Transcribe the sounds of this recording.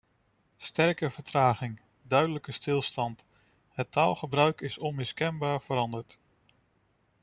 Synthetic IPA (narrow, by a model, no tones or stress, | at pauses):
stɛɹkəvəɹtraːχɪŋ | dœɥdələkəstɪlˠstɑnt | ɦətaːlˠχəbrœɥkɪsɔnmɪskɛnbaːɹv̥əɾɑndəɹt